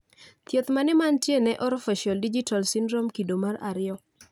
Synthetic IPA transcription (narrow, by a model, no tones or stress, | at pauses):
t̪jet̪manɛmantjenɛʔɔɾɔfɛʃaldid͡ʒitalsindɾomkidomaraɾɪɔ